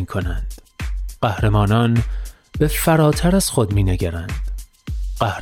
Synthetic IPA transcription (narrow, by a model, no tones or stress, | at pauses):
iːkʰo̞nænd̪̥ɢ̥æhɾe̞mɒːnɒːn | be̞fæɾɒːt̪ʰæɾæz̥xod̪miːneɡæɾænd̪̥ | ɢæh